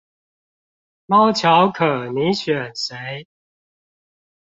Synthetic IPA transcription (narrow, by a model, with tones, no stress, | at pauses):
mɑ˥˦ʊt͡ɕʰjɑ˨˦ʊkʰɤ˨˩ni˨˦ɕɥɛ˨˩nse˨˦ɪ